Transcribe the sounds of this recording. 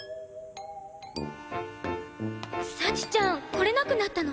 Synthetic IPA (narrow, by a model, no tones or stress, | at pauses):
sat͡ɕi̥t͡ɕãŋko̞ɾe̞nakɯ̟nat̪ːano